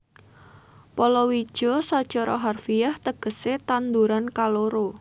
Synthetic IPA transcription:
pɔlɔwid̥ʒ̥ɔsɔd̥ʒ̥ɔɾɔɦarfiaht̪əɡ̥ə̤set̪and̪uɾankaloɾo

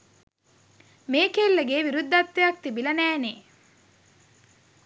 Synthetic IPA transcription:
meːkelːeɡeːʋiɾud̪ːɐt̪ːejɐk̚t̪ibilɐnæːneː

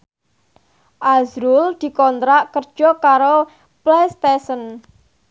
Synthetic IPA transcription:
ʔazɾuld̪̥i̤kɔnt̪ɾaʔkərd̥ʒ̥ɔkaɾo | plest̪esən

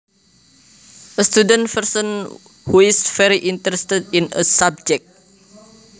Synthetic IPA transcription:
ʔəst̪udə̃nfərsə̃n | huɪsfɛɾiʔint̪ɾɛst̪ədĩnə̰sab̚d͡ʒɛk̚t̚

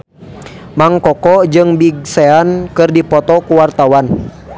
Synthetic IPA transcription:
maŋkɔkɔd͡ʒɨŋbiɡ̚sɛankɨrdipɔt̪ɔkuwart̪awan

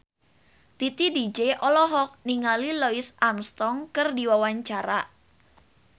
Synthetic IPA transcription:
t̪it̪idid͡ʒeʔɔlɔɦɔk̚niŋaliloɪsʔamst̪ɔŋkɨrdiwawaɲt͡ʃaɾa

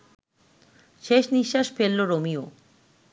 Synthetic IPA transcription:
ʃeʃniʃːaʃfelːoɾomio

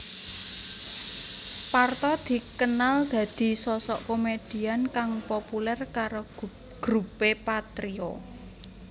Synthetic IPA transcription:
part̪ɔd̪̥i̤kənald̪̥ä̤d̪̥i̤sɔsɔʔkomed̥i̤ankaŋpopulɛrkaɾo | ɡ̥ɾupepat̪ɾiɔ

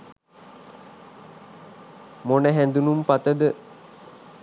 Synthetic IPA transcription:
monəɦænd̪unumpat̪əd̪ə

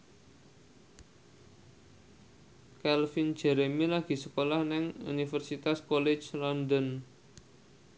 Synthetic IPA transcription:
kɛlfin̥d͡ʒ̥ɛ̤ɾemilaɡ̥i̤səkolɔhnɪŋṵnifərsit̪askɔlɪ̥t͡ʃlɔndən

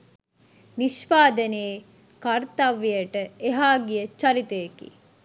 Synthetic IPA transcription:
niʃpaːd̪əneː | kart̪aʋːijəʈəeɦaːɡijət͡ʃaɾit̪əekḭ

